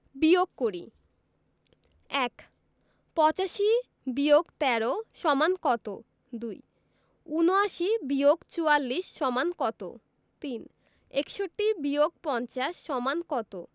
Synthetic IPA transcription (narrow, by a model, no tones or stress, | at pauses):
bioɡkoɾḭ | ɛk | pɔt͡ɕaʃi | bioɡt̪ɛɾoʃɔmankɔt̪o | d̪uj | unoaʃibioɡt͡ɕualːiʃːɔmankɔt̪o̰ | t̪in | ekʃoʈːibioɡ̚pɔnt͡ɕaʃːɔmankɔt̪o